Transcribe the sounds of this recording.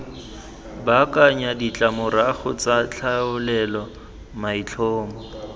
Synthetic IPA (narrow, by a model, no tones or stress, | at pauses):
bakaɲadit͡ɬʼamʊɾaχʊt͡sat͡ɬʰaʊlɛlɔ | mait͡ɬʰɔːmɔ